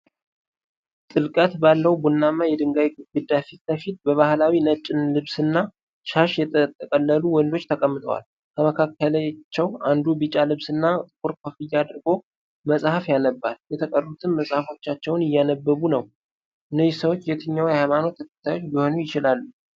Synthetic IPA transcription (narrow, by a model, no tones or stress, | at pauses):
t̪ʼɨlkʼət̪balːəwbunːamːajɛd̪ɨŋɡajɡɡɨd̪afit̪bəfit̪̚bəβahlawinət͡ʃʼːɪnlɨβsɨnːa | ʃaʃjɛt̪ʼət̪ʼːəkʼəlːəluwɔnd̪o̞t͡ʃːt̪ʰəkʼəmːɨt̪ʰəwa̰l | kʰəməkʰakːələjt͡ʃːɛwand̪ubɨt͡ʃʼalɨβsɨnːat̪ʼɨkʼuɾkʰofɨjːad̪ɨɾɡo̞ | məsʼhafjanəbːaljɛt̪ʰəkʼərut̪ʰɨmməsʼhafo̞t͡ʃːat͡ʃːɛwnɪjːanəbːəβunəw | ʔɨnːəjsəwot͡ʃːjɛt̪ʰɨɲːawhajmano̞t̪ʰːəkʰə̥t̪ʰːajot͡ʃːbiho̞nujɪt͡ʃɪlalːu